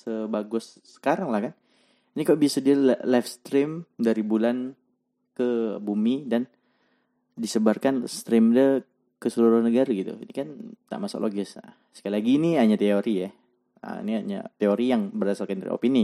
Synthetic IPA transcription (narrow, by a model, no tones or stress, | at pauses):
səbaɡʊsːə̥kaɾaŋlahkan | inikabiasədiallafst̪ɾɪmdaɾibulan | kəbumidan | disəbarkanst̪ɾɪmdə | kəsəluɾʊhnəɡaɾaɡit̪ṵḭnikant̪a̰ʔmasʊ̰klʔoɡɪs | sə̥kailaɡiniɦaɲat̪eoɾija | ə̰ḭniaɲa̰t̪eoɾijaŋbərdasalkandaɾḭo̰pini